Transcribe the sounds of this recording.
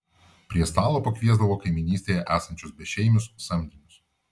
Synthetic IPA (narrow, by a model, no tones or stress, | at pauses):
pʲɾʲiɛst̪ɑːlˠoːpɐkʋʲiɛzd̪ɐʋoːkɐɪmʲɪnʲiːsʲt̪ʲeːjɛʔæːsɐnʲt͡ʃʲʊsbʲɛʃʲɛɪmʲʊsːɐmʲd̪ʲinʲʊs